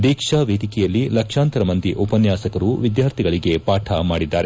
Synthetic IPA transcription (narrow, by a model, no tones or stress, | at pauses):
d̪iːkʂaːʋeːd̪ikɛjɐlːilɐkʂaːnt̪ɐɾɐmɐnt̪iʔɔpɐnjaːsɐkɐɾuʋid̪jaːɾt̪ʰiɡɐɭiɡe̞paːʈʰamaːɽid̪ːaːɾe